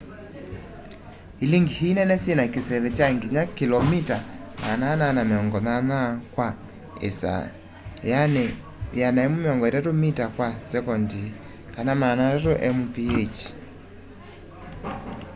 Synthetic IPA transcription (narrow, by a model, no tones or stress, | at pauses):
iliŋɡihinɛnɛsenakesɛβɛt͡ʃaŋɡiɲakilɔmitama̰nananameɔŋɡɔnanakwa | ḛsa̰ | janɛ | janaɛmumeɔŋɡɔeɾatomitakwasɛkɔndi | kanamanaɔtoʔɛmupiet͡ʃi̥